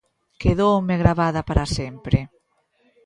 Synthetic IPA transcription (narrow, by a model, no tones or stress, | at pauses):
keðowmeɣɾaβaðapaɾasɛmpɾe